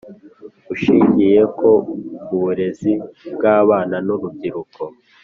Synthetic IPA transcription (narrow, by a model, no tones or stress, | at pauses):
uʃiɲɟije̞ko̞ɡuβuɾe̞zibɡaːβaːnanuɾub̚ɟiɾukʰo